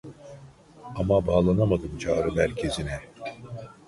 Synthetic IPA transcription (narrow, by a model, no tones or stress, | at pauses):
amabaːlˠanamad̪ɯmt͡ʃʰaːɾɯmæɾcʰe̞zinɛ